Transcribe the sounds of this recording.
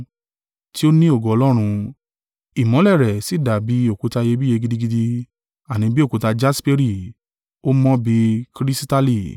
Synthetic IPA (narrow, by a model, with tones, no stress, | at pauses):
ti˦o˦nĩ˦o˦˨ɡɔ˨ɔ˧lɔ˦ɾ̃ũ˧ | i˨mɔ̃˨˦lɛ˦˨ɾɛ˨si˨˦˨da˨bi˨˦o˦˨ku˧ta˧je˧bi˦je˧ɡi˧˦di˦ɡi˧di˧ | a˨nĩ˨˧bi˦o˦ku˧ta˧d͡ʒa˦spe˦ɾi˦˨ | o˦mɔ̃˦bi˧kɾi˦si˦ta˦li˦˨